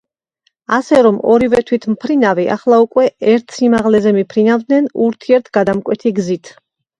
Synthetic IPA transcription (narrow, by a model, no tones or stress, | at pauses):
asɛɾɔmʔɔɾivɛt̪ʰwit̪ʰmpʰɾinaviʔa̰χlˠaukʼwɛɛɾt̪ʰsimaʁlɛzɛmipʰɾinavd̪nɛnuɾt̪ʰiɛɾt̪ʰɡad̪amkʼwɛt̪ʰiɡzit̪ʰ